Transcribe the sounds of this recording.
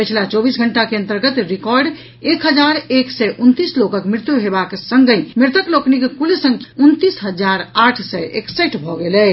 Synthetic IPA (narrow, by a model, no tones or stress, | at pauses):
pət͡ʃʰlat͡ʃɔbisɡʱəɳʈakeə̃nt̪əɾɡət̪ɾikɔɾɖ | ekɦəd͡ʒaɾeksɛʔunt̪islokəkmɾɪt̪juɦebaksəŋɡəjmiɾt̪əkloknikekulesə̃ŋɡunt̪isɦəd͡ʒaɾaʈʰsɛeksəʈbʱɔɡelɛ